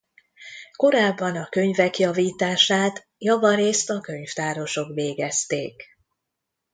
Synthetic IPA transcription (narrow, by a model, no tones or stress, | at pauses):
ko̞ɾaːbːɒnɒkø̞ɲvɛkjɒviːt̪aːʃaːt̪ | jɒvɒɾeːst̪ɒkø̞ɲft̪aːɾo̞ʃo̞kveːɡɛst̪eːk